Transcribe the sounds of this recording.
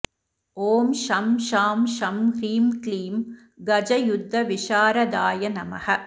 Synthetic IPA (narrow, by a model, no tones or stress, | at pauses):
oːmʃɐmʃaːmʃɐmkɾiːmkliːm | ɡɐd͡ʒɐjʊd̪ʱːɐʋɪʂaːɾɐd̪aːjɐnɐmɐ̰hɐ